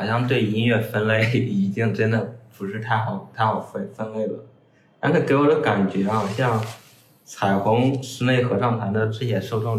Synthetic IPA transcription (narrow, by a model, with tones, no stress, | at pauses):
xɑ˨˩ʊɕjɑ˥˧ŋt̪we˥˩ɪi˥nɥɛ˥˩fə˥nle˥˩ɪi˧˥t̪i˥˩ŋʈ͡ʂə˥nd̪ə˨˩pu˧˥ʂɻ̩˥˧t̪ʰa˥˩ɪxɑ˨˩ʊt̪ʰa˥˧ɪxɑ˨˩ʊfe˥˩ɪfə˥nle˥˩ɪlə̰˩ | a˥t͡ɕʰɛ˨˩ke˧˥ɪwɔ˨˩d̪ə˧˦ka˨˩nt͡ɕɥɛ˧˥xɑ˨˩ʊɕjɑ˥˧ŋ | t͡sʰa˨˩ɪxʊ˧˥ŋʂɻ̩˧˥ne˥˩ɪxɤ˧˥ʂɑ˥˩ŋt̪ʰa˧˥nd̪ə˧ʈ͡ʂɻ̩˥˩t͡ɕjɛ˨˩ʂo˥˧ʊʈ͡ʂʊ˥˧ŋ